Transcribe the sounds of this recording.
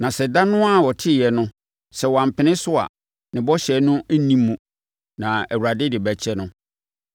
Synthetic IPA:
nã˨sɛ˨da˦nʊ̃˦a˨wɔ˨tʰɪ˦˨jɛ˨nʊ̃˦ | sɛ˨wɔ˨ã˨m̩˨pʰɪ˨nɪ̃˦sʊ˦a̰˨ | nɪ̃˨bɔ˦ɕɛ˨˦nʊ̃˦æ˦nĩ˦mːũ˨ | nã˨æ˨wu˨ɾa˨dɪ˦dɪ˨bæ˨t͡ɕʰɛ˦nʊ̃˦

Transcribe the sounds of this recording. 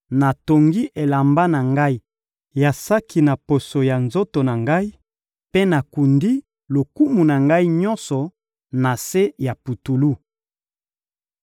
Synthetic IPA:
na˨to˨ŋɡi˦ʔe˨la˨mba˦na˨ŋɡa˦i˦ | ja˨sa˦ki˨na˨po˨so˨ja˨nzo˦to˨na˨ŋɡa˦i˦ | pe˦na˨ku˨ndi˦ | lo˨ku˦mu˨na˨ŋɡa˦i˦ɲɔ̃˦nsɔ˨ | na˨se˦ja˨pu˨tu˨lu˦

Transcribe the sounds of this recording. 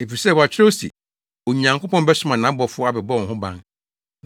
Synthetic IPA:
e˨fi˨sɛ˦˨wa˨t͡ɕʰᶣɪ˦ɾo˦sḭ˨ | o˨ɲã˨ŋkʰo˦pɔ̃˦nbɛ˦sʊ˦mã˨nã˨˦bɔ˨fʊ˦ɔ˦a˨bɛ˨bɔ̃˦˨ɦʊ̃˦bã̰˦n

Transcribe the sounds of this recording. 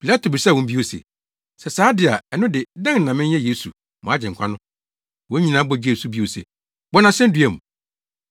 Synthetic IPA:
pʰi˨la˦tʰo˨bɪ˨sa˦˨wɔ̃˨m̩˦bi˦o˦sḛ˨ | sɛ˨saː˨˦dɪ˨a˨ɛ˨nʊ̃˦dɪ˨dã˦ŋ̩˨nã˨mɪ̃˦ɲ˦ɛ̃˦je˦sṵ˨ | mɔ̰̃˨a˦d͡ʑɪ̃˨ŋ̩˨kʰa˦nʊ̃˦ | wɔ̃˦ĩ˨nã˨˦bɔ˨d͡ʑi˦e˨su˦bi˦o˨sḛ˨ | bɔ˦nã˨ɕɛ̃˦n̩˦dɥɛ˨mũ˨

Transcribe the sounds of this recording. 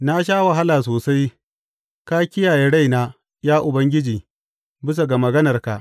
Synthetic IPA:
na˦ʃ̬aː˦wɐ˨ɦa˦laː˨s̬oː˨sa˦j | kaː˦kʲɪ˦jaː˨jeː˦ɽa˦jnaː˦ | jaː˦ʔʊ˨bɐ˦ŋɡʲɪ˦d͡ʒiː˨ | bɪ˦s̬a˨ɡa˨mɐ˨ɡɐ˦nɐ˨rka˨ʔ

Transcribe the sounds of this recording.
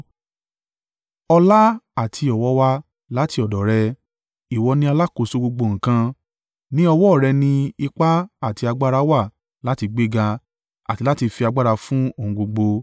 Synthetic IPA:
ɔ˧la˦a˦˨tʰi˧˦ɔ˨wɔ˧˦wa˧ | la˨˦ti˧ɔ˨dɔ˨ɾɛ˧ | i˨wɔ˧nĩ˦a˧la˦ko˨˧so˧ɡ͡bo˧ɡ͡bo˧ŋ̩̃˨kã˧ | nĩ˦ɔ˧wɔ˦˨ɾɛ˧nĩ˧i˧k͡pa˦a˦˨ti˧a˧ɡ͡ba˦ɾa˧wa˦˨ | la˨˦ti˧ɡ͡be˦ɡa˧ | a̰˨ti˧la˦ti˧fi˧a˧ɡ͡ba˦ɾa˧fũ˦o˦˨ũ˧ɡ͡bo˧ɡ͡bo˧

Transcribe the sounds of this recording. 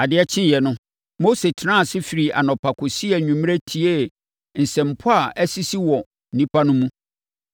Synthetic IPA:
a˨dɪ˨˦ɛ˦t͡ɕʰɪ̃˦˨jɛ˨nʊ̃˦ | mo˦se˨tʰnã˦˨sɪ˦fi˨ɾi˨ʔa̰˨nɔ̃˨pʰa˨kʰʊ˨si˦ɛ˨ɲũ˨m̃˦e˦tʰi˨e˦ | n̩˨sɛ̃˨m̩˨pʰʊ˦a˦˨ʔɛ˦si˦si˦wɔ˨ | n̩˨nĩ˦pʰa˦nʊ̃˦mũ˦

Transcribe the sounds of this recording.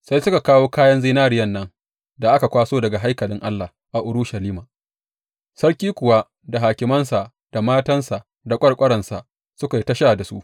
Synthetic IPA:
sa˦jsʊ˦ka˨kaː˦woː˦kaː˦jɐ˦nziː˦naː˦ɾɪ˦jɐ˦nːɐ˦ŋ | da˨ʔa˦ka˨kʷaː˦soː˦dɐ˨ɡa˨ɦa˦jkɐ˨lɪ˦ŋʔa˦lːa˨ | ʔa˨ʔʊ˨ɾʊ˦ʃa˨liː˦maː˨ | sɐ˦ɽkʲiː˦kʷʊ˨wa˦ | da˨ɦaː˨kʲɪ˦mɐ˦nsa˨ʔ | d̥a˨maː˦tɐ˦nsa˨ʔ | da˨kʷʼɐ˦ɽkʷʼɐ˦ɾɐ˨nsa˨ʔ | sʊ˦ka˨i˦tɐ˦ʃa˦˨da˨sṵ˦ʔ

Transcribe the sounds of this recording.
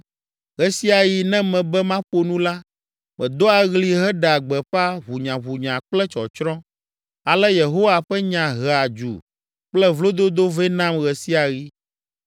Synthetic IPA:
ɣɛ˨si˦a˨ji˨nɛ̃˦mɛ̃˨bɛ˦mã˦ɸo˨nũ˦la˦ | mɛ̃˨d̪o˦a˨ɣli˨ɦɛ˦ɖɛ˨a˨ɡ͡bɛ˨ɸa˦βu˨ɲã˨βu˨ɲã˨k͡plɛ˦t͡ʃɔ̰˨t͡ʃɾɔ̃˦ | a˨lɛ˦je˨ɦo˦wa˨ɸɛ˦ɲã˨ɦɛ˨a˨d͡ʒṵ˨ | k͡plɛ˦vlo˦d̪o˦d̪o˦vɛ˦nã˦mɣɛ˨si˦a˨ɣi˦

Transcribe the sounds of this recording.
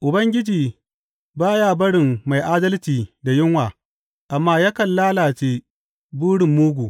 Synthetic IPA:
ʔʊ˨bɐ˦ŋɡʲɪ˦d͡ʒiː˨ | baː˦jaː˦bɐ˦ɽɪ˨mːa˨jʔaː˦dɐ˦lt͡ʃiː˨da˨jɪ˦ŋwaː˨ | ʔa˨mːaː˦ja˦kɐ˨nlaː˦laː˨t͡ʃeː˦ | buː˦ɽɪ˨mːuː˦ɡʷuː˨

